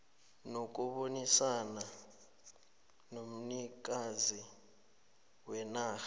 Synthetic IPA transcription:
nok̬ʼuɓonisana | nom̩nik̬azi | wɛnaːx

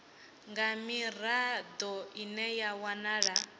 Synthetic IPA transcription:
ŋɡamiɾ̤ad̪ɔinɛjawanaːɺa

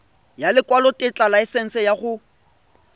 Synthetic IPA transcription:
jalɪkʼwalɔtʼɪt͡ɬʼalaɛsɛn̩sɛjaχʊ

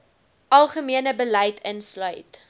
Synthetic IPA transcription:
ʔɐlˠχəmiənəbəlɛjtʰənslœɥt

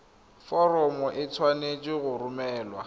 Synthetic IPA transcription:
fɔrɔmɔʔɪt͡sʰwanet͡ʃʼɪɣʊrʊmɛːlwa̰

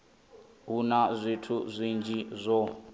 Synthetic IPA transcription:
ɦunazʷitʰuzʷind͡ʒizʷɔ

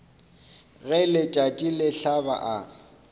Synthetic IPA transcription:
ɣɛlɪt͡ʃʼatʼilɪɬaba̰ʔa

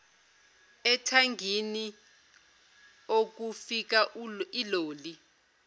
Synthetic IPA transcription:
ɛtʰaŋɡʱini | ok̬ufik̬aʔiloːli

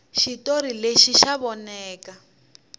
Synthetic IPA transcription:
ʃitoɾileʃiʃaβɔnɛːka

